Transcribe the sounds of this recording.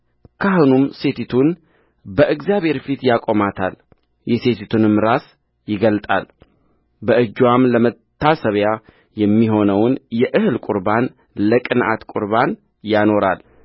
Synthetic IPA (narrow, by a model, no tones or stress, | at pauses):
kʰahonumse̞t̪ʰit̪ʰun | bəʔɨɡzjaβhe̞ɾfit̪jakʼo̞mat̪ʰal | jɛse̞t̪ʰit̪ʰunɨmɾas | jɪɡəlt̪ʼa̰l | bəʔɨd͡ʒwamləmət̪ʰːasəβja | jɛmːiɦo̞nəwnjɛʔɨhɨlkʼuɾban | ləkʼɨnʔa̰t̪kʼṵɾban | jano̞ɾal